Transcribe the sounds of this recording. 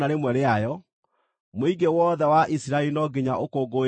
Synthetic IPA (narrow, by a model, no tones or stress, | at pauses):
aɾemwɛɾeajɔ | moiɡewɔðɛwaʔisiɾaelinɔɡeɲaʔokoɡo